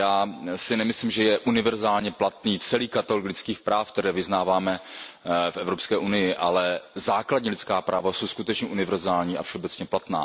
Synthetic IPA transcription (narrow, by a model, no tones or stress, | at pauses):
jaːsɪnɛmɪsliːmʒɛjɛʔunɪvɛɾzaːlɲɛplat̪niːt͡sɛliːkat̪aloklɪt͡skiːxpɾaːfk̚t̪ɛɾɛːvɪznaːvaːmɛ | fʔɛvɾopskɛːʔunɪjɪʔalɛzaːkladɲɛlɪt͡skaːpɾʔa̰ːvaso̞wskut̪ɛt͡ʃɲɛʔunɪvɛɾzaːlɲiːa̰fʃɛobɛt͡sɲɛplat̪na̰ː